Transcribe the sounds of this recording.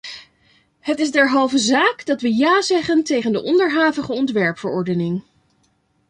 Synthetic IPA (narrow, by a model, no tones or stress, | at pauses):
hətɪzdɛɹɦɑlˠvəzaːkdɑtʋəjaːzɛχəntejχəndəʔɔndəɹɦaːvəχəɔntʋɛɹpfəɹɔɹdənɪŋ